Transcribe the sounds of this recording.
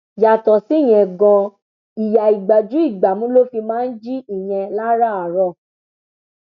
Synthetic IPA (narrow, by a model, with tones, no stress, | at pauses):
ja˨tɔ˨si˨˦˨j̃ɛ̃˧ɡɔ̃˧ | i˨ja˨i˨ɡ͡ba˨d͡ʒu˨˦i˦˨ɡ͡ba˨mũ˦lo˦fi˧mãː˦n̩˦d͡ʒi˦i˨j̃ɛ̃˧la˦ɾa˦a˨ɾɔ˧˨